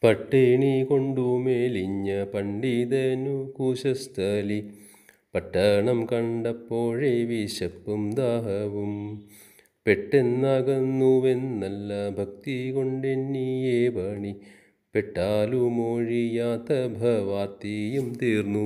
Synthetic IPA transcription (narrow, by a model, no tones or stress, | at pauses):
pɐʈːeɳikoɳɖumeːliɲːɐpɐɳɖid̪enukuːʃɐst̪ʰɐli | pɐʈːɐɳɐmkɐɳɖɐpːoːɻeʋiʃɐpːɐmd̪aːɦɐʋum | peʈːenːaɡɐnːuʋenːɐlːɐbʱɐk̚t̪ikoɳɖenːijeːbʱɐɳi | peʈːaːlumoːɻijaːt̪ɐbʱɐʋaːt̪ːijɐmt̪iːɾnu